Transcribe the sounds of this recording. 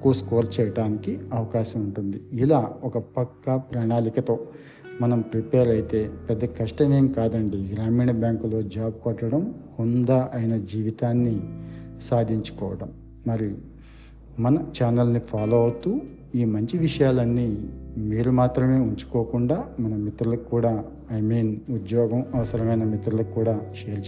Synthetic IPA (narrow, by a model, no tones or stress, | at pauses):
kuskoːɾt͡ʃɛːjɐʈaːnikiɐʋɐkaːʃɐmuɳʈund̪iːlaːɔkɐpɐkːɐpɾaːɳaːlikɐt̪o̞ː | mɐnɐmpɾipeːɾɐjit̪e̞ːpɛd̪ːɐkɐʂʈɐmeːŋkaːd̪ɐɳɖiːɡɾaːmiːɳɐbjaːŋklo̞ːd͡ʒaːp̚kɔʈːɐɽɐmhund̪aʔɐjnɐd͡ʒiːʋit̪aːnːisaːd̪ʱiɲt͡ʃu̥kɔːʋɐɽɐmː | ɐɾi | mɐnɐt͡ʃaːnɐlnipʰaːloːɐʋt̪uː | iːmɐɲt͡ʃiʋiʂɐjaːlɐnːimiːɾumaːt̪ɾɐme̞ːuɲt͡ʃu̥koːkuɳɖaːmɐnɐmit̪ɾulɐkkuːɽaː | ɐjmiːnud̪jɔːɡɐmɐʋɐsɐɾɐmɐjnɐmit̪ɾulɐkkːuːɽaːʃeːɾt͡ʃ